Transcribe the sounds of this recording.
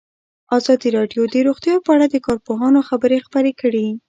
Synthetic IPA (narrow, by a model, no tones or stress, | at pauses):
ɑzɑd̪iɾɑɖjod̪əɾoɣt̪jɑpəaɽad̪əkɑɾpoɦɑnoxabəɾexpəɾekəɽi